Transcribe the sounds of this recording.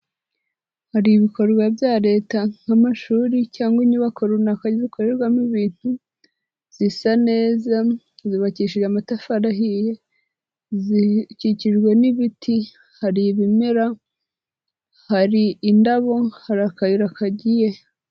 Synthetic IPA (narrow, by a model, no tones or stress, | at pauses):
haɾiβiko̞ɾɡwabjaɾe̞ːtaŋ̥hamaʃuːɾicaːŋɡwiɲiβakʰoɾunakaɟizikʰoɾeɾɡwamiβiːn̥hu | z̥isane̞ːza | ziβaciʃiʒamatafaɾaɦije̞ | ziciciʒɡweniβitʰi | haɾiβimeɾa | haɾiːndaβo̞haɾakajiɾakaɟije̞